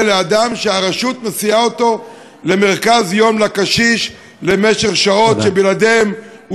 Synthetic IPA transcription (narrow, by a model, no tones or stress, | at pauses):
lead̪amʃeaʁaʃut̪mesiao̞t̪o̞ | le̞me̞ʁkazjo̞mlakaʃiʃ | le̞meʃeχʃao̞t̪ʃebilad̪emu